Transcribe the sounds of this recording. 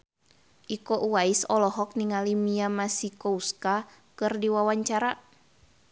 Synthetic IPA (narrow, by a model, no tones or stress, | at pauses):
ʔikoʔuaisɔlɔɦɔk̚niŋalimiamasikouska | kɨrdiwawaɲt͡ʃaɾa